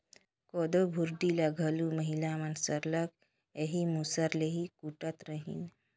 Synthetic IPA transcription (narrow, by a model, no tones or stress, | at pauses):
koːd̪obʱuɾd̪ilɐɡʱəluməɦilamənsəɾlək | eɦimusəɾleɦikuʈət̪ɾəɦḭn